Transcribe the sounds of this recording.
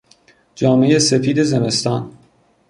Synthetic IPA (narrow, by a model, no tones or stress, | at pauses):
d͡ʒɒːme̞jesefiːd̪e̞zeme̞st̪ɒːn